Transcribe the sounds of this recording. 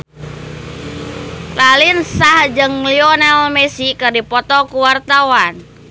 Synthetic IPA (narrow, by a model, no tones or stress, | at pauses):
lalinsahd͡ʒəŋliɔnalmɛsikərdipɔt̪ɔkuwart̪awan